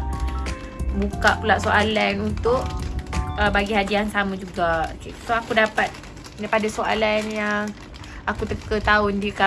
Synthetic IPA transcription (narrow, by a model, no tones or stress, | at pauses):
bukaʔpulaʔsoʔalanunt̪ʊʔ | əbaɡihadiansamãd͡ʒuɡao̰kesoakudapat̪̚ | dapadasoa̰lanja | akut̪əkət̪aʊndiəka